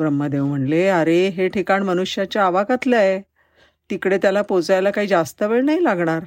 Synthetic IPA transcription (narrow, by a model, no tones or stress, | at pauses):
bɾəmːəd̪eʋm̤əɳleaɾeɦeʈʰikaɳmənuɕjat͡ɕjaːʋakat̪ljae | t̪ikɽet̪jalapot͡sajlakaɦiːd͡zast̪əʋeɭnajlaɡɳaɾ